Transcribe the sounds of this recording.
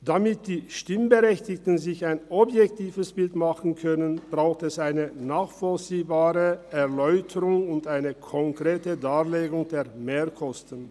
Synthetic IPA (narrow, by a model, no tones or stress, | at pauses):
d̥amɪt̚d̥iːʃtɪmbəʁɛçtɪktən̩zɪçaɪnɔbjɛk̚tiːvəsb̥ɪltmaχn̩kʰœnənb̥ʁaʊxtɛsaɪnənaːχfɔlt͡siːbaːʁəɛʁlɔʏtʰəʁʊŋʊntaɪnəkʰɔŋkʁ̥eːtədaːleːɡʊŋdeːɐmeːkʰɔstən